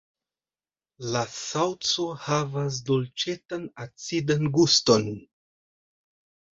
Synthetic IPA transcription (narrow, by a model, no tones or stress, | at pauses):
lasawt͡so̞havas̬dolt͡ʃe̞tanat͡sidanɡusto̞n